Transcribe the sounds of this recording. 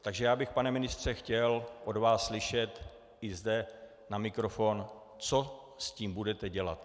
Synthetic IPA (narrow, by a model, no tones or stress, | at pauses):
t̪aɡʒɛjaːbɪxpanɛmɪnɪst̪r̝̥ɛxcɛlʔo̞dvaːsːlɪʃɛt̪ | ɪzdɛ | namɪkɾofo̞n | t͡so | sciːmbudɛt̪ɛɟɛla̰t̪